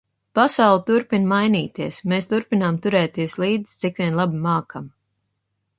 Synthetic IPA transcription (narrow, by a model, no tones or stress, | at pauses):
pasawlˠt̪uɾpinmajniːt̪iɛsmeːst̪uɾpinamt̪uɾɛːt̪iɛslˠiːd̪zist̪sikʋʲiɛnlˠabimaːkam